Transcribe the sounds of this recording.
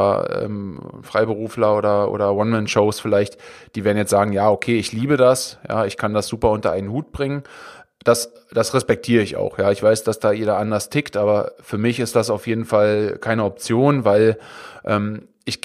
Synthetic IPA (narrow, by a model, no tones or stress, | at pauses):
ʔɛ̰ːmfʁ̥aɪbəʁuːflɐʔoːɾɐʔo̰ːɾɐwɔnmɛnʃoʊsfɪlaɪçtd̥iːveːɐdn̩jɛt͡stz̥aːɡŋ̩jaːokʰeːɪçliːbədasja̰ːɪçkʰandasz̥uːpɐʊntɐʔaɪnənhuːt̚b̥ʁɪŋən | d̥as | d̥asʁɛspɛk̚tʰiːʁəɪça̰ʊxjaːɪçv̥aɪsd̥asd̥aːjeːɾɐʔandɐstʰɪktʔaːbɐfyːɐmɪçɪstd̥asaʊfjeːdn̩falkʰaɪnəɔp̚t͡sjoːnvaɪlʔɛːm | ʔɪç̥